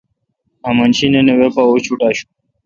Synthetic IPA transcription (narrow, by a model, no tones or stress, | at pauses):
ɐmɐnɕinenewepaot͡ɕʰuʈaːɕu̥